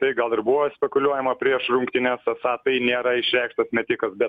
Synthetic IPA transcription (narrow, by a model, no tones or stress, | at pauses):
t̪ɐɪɡɐlˠɪrbʊʋoːsʲpʲɛkʊlʲuɔjɛmɐpʲɾʲiɛʃrʊŋkt̪ʲɪnʲɛsɐsɑːt̪ɐɪnʲeːɾɐɪʃʲɾʲæˑɪkʃt̪ɐsmʲɛt̪ʲɪkɐsbʲɛt̪